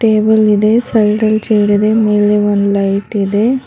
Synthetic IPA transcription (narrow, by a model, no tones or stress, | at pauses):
ʈeːbəlid̪esɐjʈɐlt͡ʃeːɽid̪emeːleʋonlɐjʈid̪e